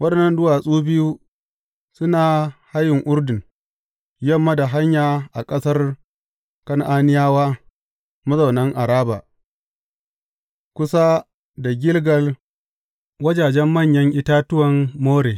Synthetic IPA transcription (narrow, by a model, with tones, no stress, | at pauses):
wɐ˦ɗɛ˨nːɐ˨ndʊ˦waː˨sʼuː˦bɪ˦ju˦ | sʊ˦naː˨ha˦jɪ˨ŋʔʊ˦ɾdɪ˨ŋ | jɐ˦˨mːɐ˦da˨ɦa˦ɲjaː˨ʔa˨kʼɐ˦sɐ˦r | kɐ˦ŋʔaː˦nɪ˦jaː˦waː˦ | mɐ˦zɐ˨wnɐ˦ŋʔa˨ɾaː˦ba̰ː˨ | kʷʊ˦sa˦ | da˨ɡʲɪ˦lɡɐ˨l | wɐ˦d͡ʒaː˨d͡ʒɛ˦mːɐ˦˨ɲjɐ˦ŋʔɪ˦taː˦tʊ˦wɐ˨mːoː˦ɾeː˨